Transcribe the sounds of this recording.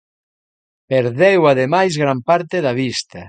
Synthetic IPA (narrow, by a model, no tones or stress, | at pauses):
peɾðewaðemajzɣɾampaɾt̪eðaβist̪ɐ